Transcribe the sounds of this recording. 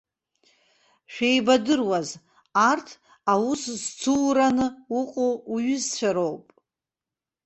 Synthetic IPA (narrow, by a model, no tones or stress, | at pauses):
ʃᶣejbadɨrwaz | artʰ | awuszt͡sʰuwɾanɨuqʼouɥʏzt͡ɕʷʰaɾowpʼ